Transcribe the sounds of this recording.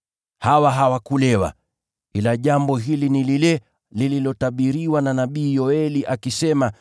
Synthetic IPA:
hawaɦawakulɛwa̰ | kilaʄambɔɦilinililɛ | lililɔtaɓiɾiwananaɓiːjɔɛliʔakisɛma

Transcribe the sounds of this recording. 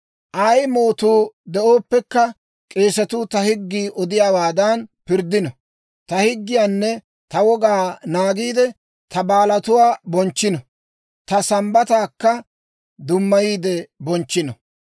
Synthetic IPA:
ʔɐjmo̞ːt̪uːd̪ɛʔoːpːɛkːɐ | kʼe̞ːsɐt̪ʊt̪ɐhɪɡːiːʔɔd̪ɪjaːwaːd̪ɐnpɪɾd̪ɪnɔ | t̪ɐhɪɡːɪjaːnːɛ | t̪ɐwɔɡaːnaːɡiːd̪ɛ | t̪ʰɐbaːlɐt̪ʊwaːbɔnt͡ʃːɪnɔ | t̪ɐsɐmbɐt̪aːkːɐ | d̪ʊmːɐjiːd̪ɛbɔnt͡ʃːɪnɔ

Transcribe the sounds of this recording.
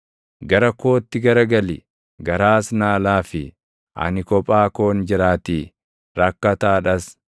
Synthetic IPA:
ɡɐɾɐko̞ːt̪ːɪɡɐɾɐɡɐlɪ | ɡɐɾaːsnaːlaːfɪ | ʔɐ̰nɪkɔpʼaːko̞ːnd͡ʒɪɾaːt̪iː | ɾɐkːɐt̪aːᶑɐs

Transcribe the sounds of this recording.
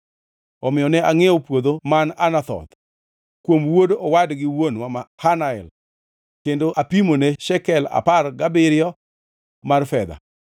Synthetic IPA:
ɔmɪjɔnɛaŋɛɔpwod̪omananat̪ɔ̰t̪ | kwomwodɔwadɡɪwonwamahanaɛ̰l | kendoʔapimoneʃɛkɛla̰parɡabɪɾjɔ | marfɛd̪a̰

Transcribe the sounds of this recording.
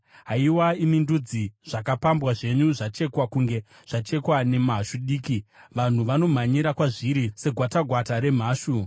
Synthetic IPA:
ɦaiwaimindud͡ziʐ̥akapambwaʐe̞ɲuʐat͡ʃe̞kwakuŋɡe̞ | ʐ̥at͡ʃe̞kwane̞maʃuɗiːkiʋan̤uʋano̞m̤aɲiɾakwaʐiɾise̞ɡʱwataɡʱwataɾe̞m̤aːʃu

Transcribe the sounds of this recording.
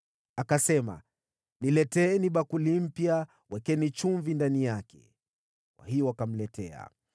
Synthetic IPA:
akasɛma̰ | nilɛtɛːniɓakulim̩pja | wɛkɛnit͡ʃuɱvindanijakɛ̥̰ | kwa̰hijɔwakam̩lɛtɛ̰a̰

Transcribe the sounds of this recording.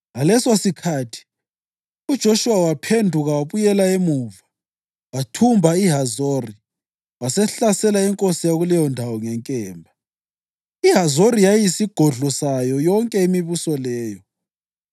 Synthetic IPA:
ɣalɛsosikʰaːtʰi̥ | ud̥ʒ̥ʱoʃuwawapʰendʱuɣawaβujɛlaemuva | watʰumbʱaiɦazoːri | wasɛɬasɛlaɛŋkʼosijaɣulɛjɔndʱawɔŋɛŋkʼɛːmbʱa | iɦazoɾijajisiɡ̥ʱɔɮɔsajɔjɔŋkʼɛimiβusɔlɛːjɔ

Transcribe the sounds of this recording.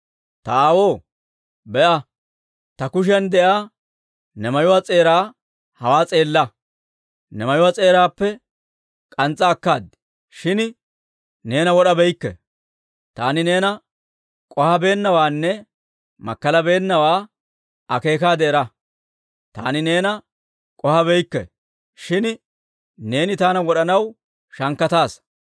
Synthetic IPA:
t̪ɐaːwoː | bɛʔɐ | t̪ɐkʊʃ̬ɪɐnd̪ɛʔaː | nɛmɐjɔwat͡sʼe̞ːɾaː | hɐwaːt͡sʼe̞ːlːɐ | nɛmɐjɔwat͡sʼe̞ːɾaːpːɛ | kʼɐnt͡sʼːɐːkːaːd̪ | ʃɪn | ne̞ːnɐwɔɗɐbɛjkːɛ̰ | t̪a̰ːnɪne̞ːnɐ | kʼɔhɐbe̞ːnːɐwaːnːɛ | mɐ̰kːɐlɐbe̞ːnːɐwaː | ɐke̞ːkaːd̪eːɾɐ | t̪aːnɪne̞ːnɐ | kʼɔhɐbɛjkːɛ̰ | ʃɪn | ne̞ːnɪt̪aːnɐwɔɗɐnɐw | ʃɐŋkːɐt̪aːs

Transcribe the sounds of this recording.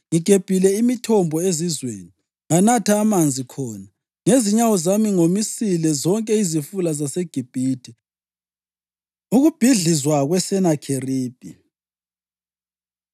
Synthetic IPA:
ŋiɡ̥ʱeb̥ʱilɛimitʰɔmbʱɔezizwḛːni | ŋanatʰaːmand͡zʱikʰɔːna | ŋeziɲawɔzamiŋomisilɛzɔŋkʼɛizifulazaseɡ̥ʱib̥ʱiːtʰi | uɣub̥ʱiɮizwaɣwɛsɛnakʰeriːb̥ʱʼḭ

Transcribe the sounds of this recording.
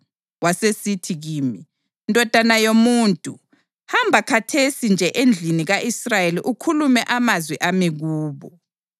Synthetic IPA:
wasesitʰiɣiːmi | ndʱɔd̥ʱanajomuːntʼu | hambʱakʰatʰesind͡ʒʱɛʔend͡ɮʱiniɣaʔisrajeliʔukʰulumɛʔamazwɛʔamiɣuːβɔ

